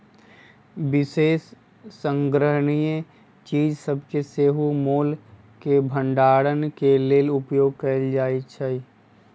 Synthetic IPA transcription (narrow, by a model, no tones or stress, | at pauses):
ʋɪseːsː | ə̃ŋɡɾəɦəɽije | t͡ʃiːd͡ʒsəbkeseːɦumoːl | kebʱə̃ɳɖaːɽənkeleːlʊpjoːɡ̚kəld͡ʒaːit͡ʃʰəi